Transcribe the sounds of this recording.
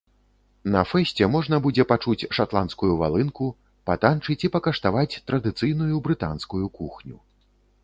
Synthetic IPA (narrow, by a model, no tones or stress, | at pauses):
nɐfɛsʲt͡sʲɛmɔʐn̪ɐbud͡zʲɛpat͡ʂut͡sʲʂat̪lˠanskujuva̰lˠɨnku | pat̪ant͡ʂɨt͡sʲipɐkɐʂt̪avat͡sʲt̪ɾɐd̪ɨt̪sɨjnujubɾɨt̪a̰nskujukuxnʲṵ